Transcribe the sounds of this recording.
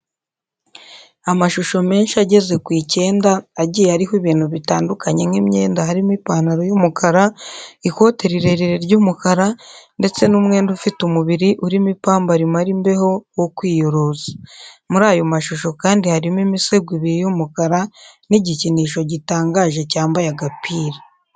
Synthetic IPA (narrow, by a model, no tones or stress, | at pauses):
amaʃuʃo̞me̞ːnʃiaɟe̞ze̞kwiːce̞ːndaːɟijehaɾihiβiːn̥huβitaːndukʰaɲe̞mŋimɲeːndaɦaɾimipaːnaɾojumukʰaɾaiko̞ːte̞ɾiɾe̞ɾiɾeɾɟuːmukaɾande̞t͡se̞numŋe̞ːndufitumuβiɾiʔuɾimipaːmbaɾimaɾimbe̞ho̞wokwiːjo̞ɾo̞ːzḁmuɾaːjo̞maʃuʃo̞kaːndihaɾimimise̞ɡwiβiejomukaɾa | niɟiciniːʃo̞ɟitaːŋɡaːʒe̞caːmbajaɡapiːɾa